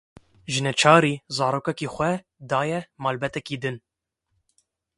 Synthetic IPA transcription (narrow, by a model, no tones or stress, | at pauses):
ʒɨnɛt͡ʃʰɑːɾiːzɑːɾoːkɛkiːxʷɛ | d̪ɑːjɛmɑːlbɛt̪ɛkiːd̪ɨn